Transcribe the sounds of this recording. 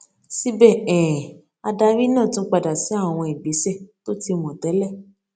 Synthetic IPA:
si˦bɛ˦˨ɛ̃˨ | a˧da˧ɾi˦nãː˦˨tũ˦k͡pa˧˨da˨si˨˦a˦˨w̃ɔ̃˧e˨bi˨˦se˦˨to˦ti˧mɔ̃˨tɛ˨˦lɛ˦˨

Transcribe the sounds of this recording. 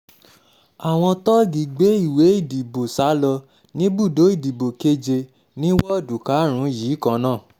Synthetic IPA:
a˨w̃ɔ̃˧tɔ˦ɡi˨ɡ͡be˨˦i˦˨we˨˦i˦˨di˨bo˨sa˨˦lɔ˧ | nĩ˦bu˦˨do˨˦i˦˨di˨bo˨ke˦d͡ʒe˧ | nĩ˦wɔ˦˨du˨ka˨˦ɾ̃ũ˨˦jiː˨˦kã˧nãː˦˨

